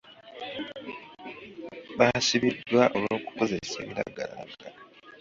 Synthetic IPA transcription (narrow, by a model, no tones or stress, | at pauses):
βasiβidwaʔoloːku̥ko̞ze̞ɾese̞ːβiɾa̰ɡalaaɡa